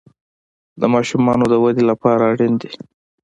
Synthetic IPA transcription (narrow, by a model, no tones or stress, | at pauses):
d̪əmɑʃumɑnod̪əwad̪elapɑɾaːɽind̪i